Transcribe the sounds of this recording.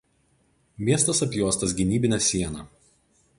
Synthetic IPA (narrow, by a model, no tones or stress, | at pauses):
mʲiɛst̪ɐsɐpʲjuɔst̪ɐs̬ɡʲɪnʲiːbʲɪnʲɛsʲiɛnɐˑ